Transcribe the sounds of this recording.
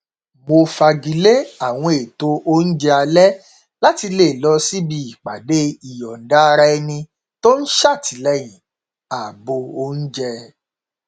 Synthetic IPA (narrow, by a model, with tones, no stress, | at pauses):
mo˧fa˧ɡi˨le˦a˦˨w̃ɔ̃˧e˨to˧ʔo˦n̩˦d͡ʒɛ˧˦a˧lɛ˦ | la˦ti˧le˦˨lɔ˧si˦bi˧˦i˨k͡pa˨de˦i˨jɔ˨n̩˨da˦˧ɾa˧ɛ˧nĩ˧ | to˦n̩˦ʃa˦˨tʰi˨˦lɛ˦j̃ĩ˨ | a˨bo˧o˧n̩˦d͡ʒɛ˧